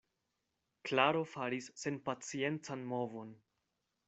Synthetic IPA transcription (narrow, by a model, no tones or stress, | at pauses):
klaɾo̞faɾisːe̞npat͡sie̞nt͡sanmo̞vo̞n